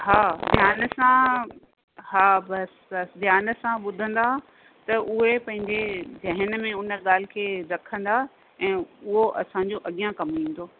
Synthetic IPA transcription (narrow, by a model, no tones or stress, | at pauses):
ɦaːd̪ʱjaːnsã | haːbɐs | ɐsd̪ʱjaːnəsãɓʊd̪ʱə̃nd̪a | t̪ɐʔʊɦepɐ̃ɦɪ̃ɲd͡ʑed͡ʑʱɐɦənmẽʊnə̆ɠaːl̤ɪ̆kʰeːɾɐkʰə̃nd̪a | ɛ̃ːʊɦoʔɐsãɲd͡ʑoʔɐɠijãkɐmʋĩːn̆d̪oː